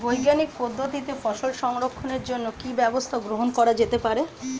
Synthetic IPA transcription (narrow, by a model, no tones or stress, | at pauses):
bojɡanik̚pod̪ʱːot̪it̪efɔʃolʃɔŋɾokʰːoneɾd͡ʑonːokibɛbost̪ʰaɡɾoɦonkɔɾad͡ʑet̪epaɾe